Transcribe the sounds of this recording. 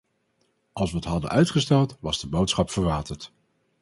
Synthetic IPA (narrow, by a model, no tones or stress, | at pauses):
ʔɑlˠsʋəətɦɑdə̰nʔœɥtχəstɛlˠtʋɑzdəbowtsχɑpfəɹʋaːtəɹt